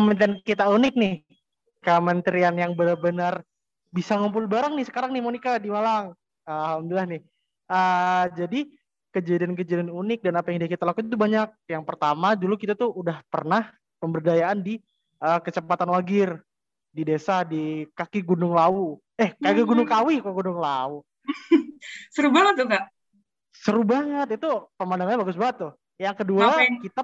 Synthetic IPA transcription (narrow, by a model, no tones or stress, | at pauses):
əmənt̪ɛnkit̪aunɪk̚nɪh | kəmənt̪əɾianjaŋbənarbənar | bisaŋumpʊlbaɾaŋnɪhsə̥kaɾaŋnɪhmonikadimalaŋ | alhamdulilahnɪh | ʔəd͡ʒadi | kəd͡ʒadiank̬əd͡ʒadianunɪk̚danapajaŋdiakit̪alakut̪t̪ubaɲak̚jaŋpərt̪amadulukit̪at̪uudahpərnah | pəmbərdajaʔandi | ʔəkət͡ʃəpat̪anwaɡɪr | didesadikakiɡundʊŋlau | ɛhkakiɡunʊŋkawɪkoɡundʊŋlau | səɾubaŋət̪̚ːukaʔ | səɾubaŋət̪̚it̪upəmandaŋaɲabaɡʊs̬baŋət̪ːʊh | jaŋkəduakit̪a